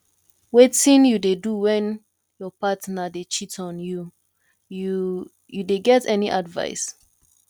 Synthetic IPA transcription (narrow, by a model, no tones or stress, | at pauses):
wetĩnjudeduwɛ̃n | jɔpatnadet͡ʃitɔ̃nju | u | judeɡɛtɛniʔadva̰ɪs